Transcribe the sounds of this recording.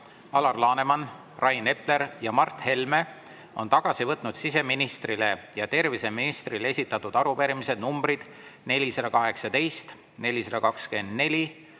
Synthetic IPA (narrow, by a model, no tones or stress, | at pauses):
ɑlɑrlɑːne̞mɑn | rʔɑjne̞ple̞ɾjɑmɑrt̪ːˑhe̞lme̞ | o̞̰nt̪ɑɡ̥ɑsivɤt̪ːˑnud̪̥sise̞minist̪rile̞jɑt̪e̞rviseminist̪rilee̞sʲit̪ːˑɑt̪ːˑud̪̥ɑɾupeɾimise̞d̪̥numb̥ɾid̪̥ | ne̞lʲisɑd̪ɑkɑɦe̞ksɑt̪e̞jst̪ | ne̞lʲisɑd̪ɑkɑkske̞nd̪̥ne̞lʲi